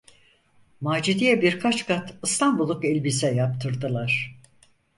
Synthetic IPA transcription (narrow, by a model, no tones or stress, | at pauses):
maːd͡ʒid̪ijɛbiɾkʰat͡ʃkʰat̪ʰɯst̪ʰanbulˠːukɛlʲbisɛjap̚t̪ʰɯɾd̪ɯlˠaɾ̥